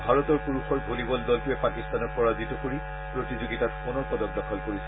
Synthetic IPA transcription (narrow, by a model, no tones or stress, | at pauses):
bʱaɹɔtɔɹpuɹuxʰɔɹbʱolibɔldɔlkʊjɛpakistanɔɹpɔɹazitɔkoɹi | pɹotizoɡitatpunɔɹkɔdɔk̚dɔkʰɔlkoɹisɛ